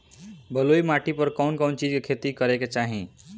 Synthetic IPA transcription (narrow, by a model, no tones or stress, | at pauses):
bəloimaʈipəɾkɔːnkɔːnt͡ʃid͡ʒkekʰet̪ikəɾeket͡ʃaːɦḭ̃